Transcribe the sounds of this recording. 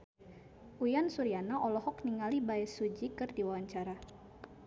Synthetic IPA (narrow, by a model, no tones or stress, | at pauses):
ʔujansuɾianaʔɔlɔhɔk̚niŋalibaɛsud͡ʒikɨrdiwawaɲt͡ʃaɾa